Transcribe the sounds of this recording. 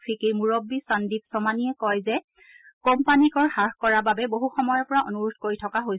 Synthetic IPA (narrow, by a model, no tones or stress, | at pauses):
pʰikemuɹɔbːisandipsɔmaniɛkɔjzɛ | kɔmpanikɔɹhaɹxkɔɹababɛboɦuxɔmɔjɔɹpɔɹaʔonuɹutʰkoɹitʰɔkaɦoj